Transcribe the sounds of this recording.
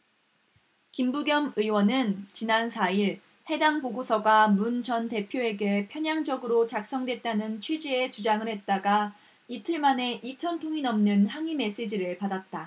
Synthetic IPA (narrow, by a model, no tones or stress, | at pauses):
kimbuɡjʌmɯiwʌnɯnt͡ɕinansʰaiɭ | he̞daŋpoɡosʰʌɡwamunt͡ɕʌnte̞pʰjoe̞ɡe̞pʰjʌɲaŋd͡ʑʌɡɯɾot͡ɕak̚s͈ʌŋdwe̞t̚t͈anɯnt͡ɕʰɥid͡ʑie̞t͡ɕud͡ʑaŋɯɭhe̞t̚t͈aɡa | itʰɯɭmane̞ʔit͡ɕʰʌntʰoŋinʌmnɯnhaŋime̞s͈ed͡ʑiɾɯɭpadat̚t͈a